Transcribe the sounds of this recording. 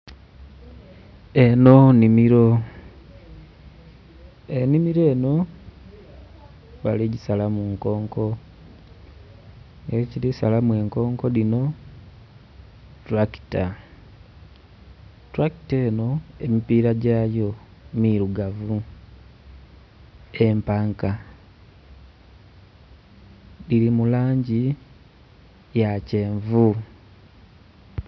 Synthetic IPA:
e̞no̞nimiɾo̞ | enimiɾe̞ːno̞ | βaliɟisalamuŋko̞ːŋko̞ | ŋɡeciɾisalamwe̞ːŋko̞ːŋko̞ðino̞ | tɾaki̥ta | tɾaki̥teːno̞emipiːɾaɟaːjo̞miɾuɡavu | e̞mpaːŋka | lilimulaːɲɟi | jace̞ːɱvu

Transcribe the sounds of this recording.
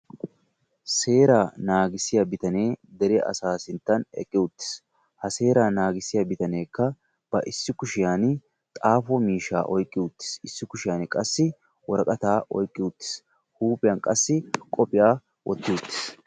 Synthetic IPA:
se̞ːɾaːnaːɡɪsːɪjabɪt̪ɐne̞ːd̪ɛɾɛʔɐ̰saːsɪnt̪ːɐnɛ̰kʼːɪʊt̪ːɪ̥s | hɐse̞ːɾaːnaːɡɪsːɪjabɪt̪ɐne̞ːkːɐ | b̥ɐʔɪsːɪkʊʃɪjaːn | t̪ʼaːfɔmiːʃːa̰ːʔɔjkʼːɪʊt̪ːɪ̥sɪsːɪkʊʃɪjaːnɪkʼɐsːɪ | wɔɾɐkʼɐt̪aːʔɔ̰jkʼːɪʊt̪ːɪ̥s | huːpʼɪjɐnkʼɐsːɪkʼɔpʼɪjaː | wʔɔ̰t̪ːɪʊt̪ːɪ̥s

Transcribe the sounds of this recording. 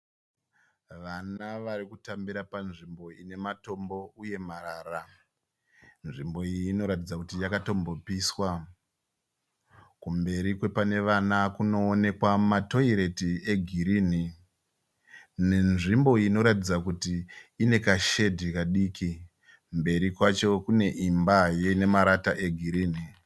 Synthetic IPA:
ʋanaʋaɾikutambiɾapanʐimbo̞ine̞mato̞mbo̞uje̞maraːra | nʐimbo̞iːno̞ɾatid͡zakutijakato̞mbo̞piswa | kumbe̞ɾikwe̞pane̞ʋanakuno̞ːne̞kwamato̞iɾe̞tieɡʱiɾiːni | nenʐimbo̞ino̞ɾatid͡zakutiːne̞kaʃe̞dʱikaɗiːki | mbe̞ɾikwat͡ʃo̞kune̞ʔimbajeine̞maɾataʔe̞ɡʱiɾiːni

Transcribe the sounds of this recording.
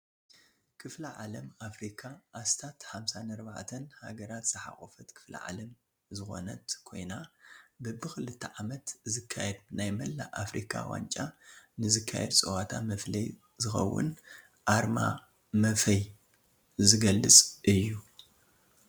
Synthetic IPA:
kʰɨflɐʕalɐmafɾikʰaʔast̪ʰat̪ħamsanɐɾbaʕt̪ʰɐnha̰ɡɐɾat̪z̥ɨħa̰xʼofɐt̪kʰɨ̥flɐ̰ʕa̰lɐm | zɨxo̞̰nɐt̪kʰo̞̰jnabɨbɨxɨlɨt̪ʰːɐʕamɐt̪zɨkʰːajɛd̪̚najmɐlːa̰ʔafɾikʰa̰wa̰nt͡ʃʼanɨzɨkʰːa̰jɛ̰d̪t͡sʼɨwat̪ʰamɐflɐj | zɨxɐ̰wːʊ̰n | ʔaɾma̰ | mɐfɐj | zɨɡɐlːɨt͡sʼʔɨjːu

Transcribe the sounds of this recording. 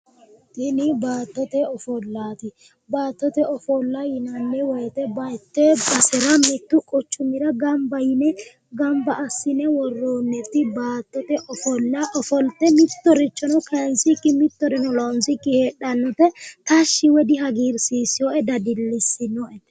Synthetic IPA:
t̪ɪnɪbaːt̪ːɔt̪ɛɔfɔlːaːt̪ɪ | baːt̪ːɔt̪ɛɔfɔlːajɪnɐnːɛwɔjt̪ɛbɐjt̪ːɛbɐsɛɾɐmɪt̪ːʊkʼɔt͡ʃːʊmɪɾɐɡɐmbɐjɪnɛ | ɡɐmbɐʔːsːɪnɛwɔrːoːnːɛt̪ːɪbaːt̪ːɔt̪ɛʔɔfɔlːɐʔɔfɔlt̪ːɛmɪt̪ːɔɾɪt͡ʃːɔnɔkɛnsɪkːɪmɪt̪ːɔɾɛnɔlonsɪkːɪheːɗːɐnːɔt̪ɛt̪ɐʃːɪwɛd̪ɪɦɐɡiːɾsiːsɪjoːʔɛd̪ɐd̪ɪlːɪsːɪnɔʔɛ

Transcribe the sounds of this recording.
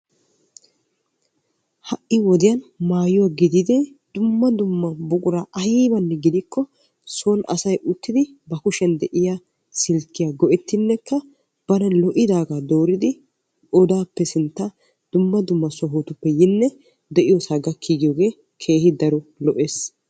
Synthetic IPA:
hɐʔɪwɔd̪ɪjɐnmaːjʊwaɡɪd̪ɪd̪ɛ | d̪̥ʊmːɐd̪ʊmːɐbʊkʼʊɾaʔɐjiːbɐnːɛɡɪd̪ɪkːɔ | sɔnɐ̰sɐjʔʊt̪ːɪd̪ɪbɐkʊʃɛnd̪ɛʔɪja | sɪlkːɪjaːɡɔʔɛt̪ːɪnːɛkːɐ | b̥ɐnɐlɔʔɪd̪aːɡaːd̪oːɾɪd̪ɪ | ɔd̪aːpːɛsɪnt̪ːa | d̪̥ʊmːɐd̪ʊmːɐsɔɦoːt̪ʊpːɛjɪnːɛ | d̪ɛʔɪjɔsɐɡɐkʰːiːɡɪjoːɡe̞ː | kʰe̞ːhɪd̪ɐɾɔlɔʔeːs

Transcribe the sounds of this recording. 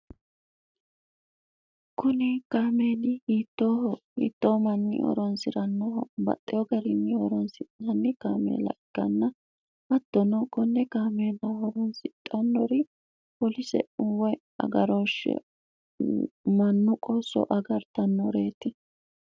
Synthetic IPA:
kʊnɪkaːmeːd̪ɪhiːt̪ːoːhɔhḭːt̪ːoːmɐnːɪ̰ʔɔ̰ɾɔnsɪɾɐnːɔɦɔbɐ̰t̪ʼːɛjɔɡɐɾɪnːɪɔɾɔnsɪnɐnːɪkaːmḛːlɐ̰ʔɪkːɐnːɐ | ʔɐd̪̥ːɔnɔkɔnːɛkaːmeːlɐhɔɾɔnsɪt̪ʼːɐnːɔɾɪ | pɔlɪsɛ̰ʊwɛ | ɐ̰ɡɐɾoːʃɛ̰ | mɐnːʊkʼɔsɔ̰ʔɐɡɐɾt̪ɐnːɔɾeːt̪ːɪ

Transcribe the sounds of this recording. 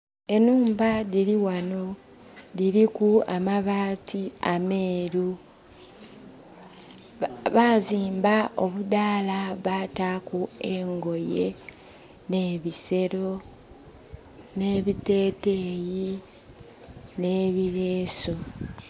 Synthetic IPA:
e̞nuːmbaðiɾiwano̞ | ðiɾikua̰maβaːtʰiameːɾu | βaːziːmbao̞βudaːlaβaːtakueŋɡo̞je̞ | ne̞ːβise̞ɾo̞ | ne̞ːβite̞ːteji | ne̞βiɾeːso

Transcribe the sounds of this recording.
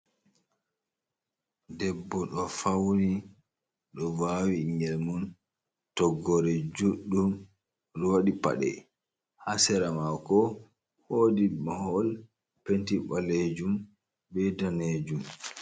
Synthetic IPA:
dɛbːɔɗɔfawni | ɗɔwawiŋɡɛlmun | tɔɡɔɾɛd͡ʒuɗːum | ɾɔwaɗipa̰ɗɛ̰ | hasɛɾamakɔ | hoːdimahɔl | pentibaled͡ʒum | bɛdɔned͡ʒum

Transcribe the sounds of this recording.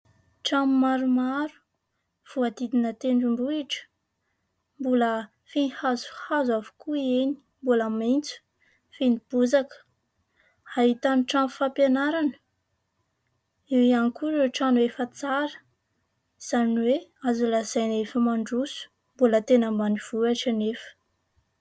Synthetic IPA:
ʈ͡ʂammaɾumaɾu̥ | v̥uad̪id̪inət̪eɳɖ͡ʐumbuiʈ͡ʂə̥ | mbulə | finihazu̥hazavu̥kueni̥ | mbuləmint͡su̥ | finib̥uzakə̥ | haɦit̪aniʈ͡ʂanfapjanaɾanə̥ | ewianikuɾeʈ͡ʂanuefət͡saɾə̥ | z̥aniweazulazajnefəmaɳɖ͡ʐusu̥ | mbulət̪enəmbaniv̥uaʈ͡ʂanefə̥

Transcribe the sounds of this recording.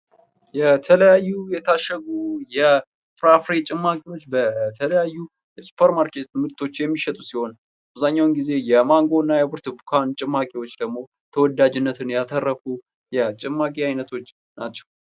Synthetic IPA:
jɛt̪ʰələjajːujɛt̪ʰaʃːəɡujɛ | fɾafɾet͡ʃʼɪmːakʼiwo̞t͡ʃːbət̪ʰələjajːu | jɛsu̥pʰəɾmaɾkʰe̞t̪mɨt̪ʰo̞t͡ʃːjɛmːiʃɛt̪ʼusiho̞n | ʔʔaβzaɲːawnɡize̞jɛmaŋɡo̞nːajɛbɨɾt̪bukʰant͡ʃʼɪmːakʼiwot͡ʃːd̪əɡmo̞ | t̪ʰəwɔd̪ːad͡ʒɨnːət̪ʰɨnjat̪ʰərːəfu | jɛt͡ʃʼɪmːakʼiajnət̪ʰo̞t͡ʃː | nat͡ʃːɛw

